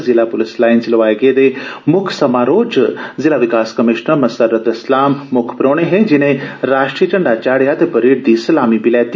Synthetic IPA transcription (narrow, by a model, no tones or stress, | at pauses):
zɪlapʊlɪslaːɪnslɐʋaːeɡeːd̪emʊkʰsɐmaɾoːd͡ʒzɪlaʋɪkaːskɐmɪʃnəɾmɐsəɾət̪ɪslaːmːʊkʰpɾoːɽ̃eɦẽd͡ʒɪnẽɾaːʃʈɾiət͡ʃɐɳɖat͡ʃaːɽjat̪epɐɾiːʈ̚d̪isəlaːmibɪlɛːt̪